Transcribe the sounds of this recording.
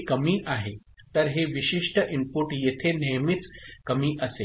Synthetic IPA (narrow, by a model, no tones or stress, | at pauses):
kəmiʔaɦe | t̪əɾɦeʋiɕiʂʈəʔimpuʈjet̪ʰenejəmit͡skəmiʔəse